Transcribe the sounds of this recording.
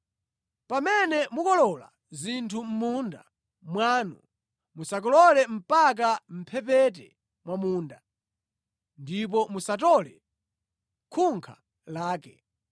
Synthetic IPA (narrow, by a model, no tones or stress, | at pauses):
pamɛnɛmukɔlɔla̰ | zintʰum̩munda̰ | mwaːnu | musak̬ɔlɔlɛm̩pak̬am̩pʰɛp̬ɛt̬ɛ | mwamuːnda | ndip̬ɔmusatɔlɛ | kʰuŋkʰa | laːkɛ̰